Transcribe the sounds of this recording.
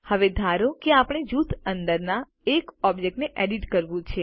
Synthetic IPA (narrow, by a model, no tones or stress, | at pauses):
həʋed̪ʱaɾokeapəɳ̃ed͡ʒut̪ʰənd̪əɾna | ekɔbd͡ʒek̚ʈneʔɛɖiʈkəɾʋũt͡ʃʰe